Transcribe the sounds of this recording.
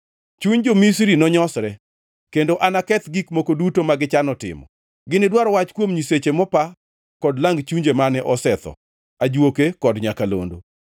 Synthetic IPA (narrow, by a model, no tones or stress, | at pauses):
t͡ʃuɲd͡ʒomis̬ɾinɔɲɔsɾɛ | kendoʔanakɛt̪ɡikmokodutomaɡɪt͡ʃanɔtɪ̰mɔ̰ | ɡɪnɪdwaɾɔwat͡ʃkwomɲiset͡ʃemɔpa | kɔdlaŋɡt͡ʃuɲd͡ʒemanɛʔɔsɛt̪ɔ̰ | ad͡ʒwokekɔdɲakalo̰ndo